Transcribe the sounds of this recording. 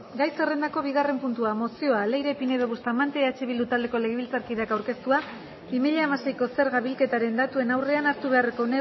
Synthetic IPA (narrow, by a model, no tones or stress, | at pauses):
ɡajse̞re̞nd̪ako̞βiɣare̞mpunt̪uamo̞sio̞ale̞jɾe̞pine̞ðoɣust̪amant̪e̞at͡ʃiβild̪ut̪ald̪e̞ko̞le̞ɣeβilt͡saɾkiðeakawɾke̞st̪ua | imiʎaemase̞jko̞se̞ɾɣaβilke̞t̪aɾe̞nd̪at̪ue̞nawre̞anaɾt̪uβe̞areko̞ne